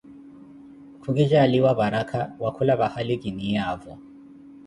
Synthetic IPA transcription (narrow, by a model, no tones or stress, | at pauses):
kʰuɡiʒaːliwaβaɾakʰawakʰulaβahaliɡiniavɔ